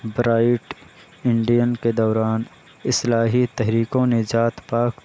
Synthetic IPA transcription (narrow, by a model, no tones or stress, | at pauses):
bɾaːɪʈ | ɪɳɖijənked̪ɔːɾaːn | ɪslaːɦit̪ɛɦɾiːkõned͡ʒaːt̪paːk